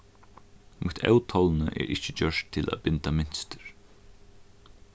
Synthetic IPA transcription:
mʔʊt̪ʰɛ̰wt̪ʰɔlnəʔɛ̰ːɾʔɪt͡ʃɪt͡ɕœʂtt̪ʰːɪlʔa̰ðbɪnt̪amɪn̥st̪ɪ̥ɾ

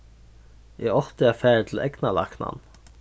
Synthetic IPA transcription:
jɛɔht̪ɪafæːɾt̪ʰɪl̩ʔɛknala̰kna̰n

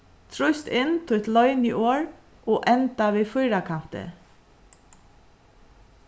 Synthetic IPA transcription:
t̪ʰɾʊjst̪ɪnt̪ʰɪɛt̪lœʏniʔoːɹ | oːʔɛnt̪aʋiːfʊjɾakʰan̥t̪ɪ̰

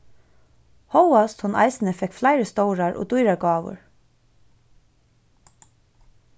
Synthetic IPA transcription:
hɔwast̪hʊnʔa̰ɪsnəfɛkflaɪɾəst̪ɔwɾaɹʔɔ̰ːd̪ujɾaɹɡɑːʋʊ̰ɹ

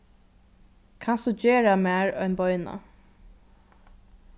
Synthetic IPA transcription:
kʰansɔd͡ʒeːɹamæːɹœʏnbɔʏna̰

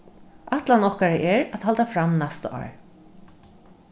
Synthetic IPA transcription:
ʔat̪lanɔhkaɹəʔɛɹæt̪halt̪afɾamnɛst̪ɑ̰ːɹ

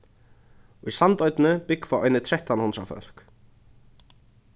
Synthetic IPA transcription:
ɔisant̪œɥjt̪nʏpɪkfawʔœjnːɪt̪ʰɾɛht̪anhunt̪ɾa̰fœ̰l̥k

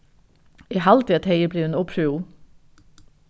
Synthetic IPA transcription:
iːhɑlt̪ɪɛt̪heɪəbliːʉnɔpʃʉuː

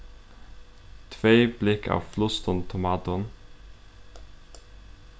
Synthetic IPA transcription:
t̪ʰʋeːblɪkʰɑ̰ːʋflʊst̪ɔnt̪ʰʊmɑːt̪ʊn

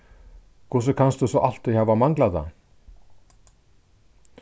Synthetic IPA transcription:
kʰvʊsʏkʰanst̪ʏsɔʔal̥t̪ɪhaːvamaŋklaða̰

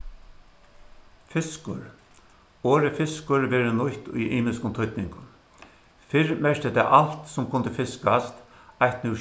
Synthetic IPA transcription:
fɪskʊɾ | oːɾəfɪskʊɹʋɛːɾənʊçt̪ʊ̰jʔiːmɪskʊnt̪ʰʊt̪nɪŋkʊn | fɪɾmɛɹt̪ɪt̪ʰa̰ːʔalt̪sʊmkʰʊnt̪əfɪskast̪ | ajht̪nu

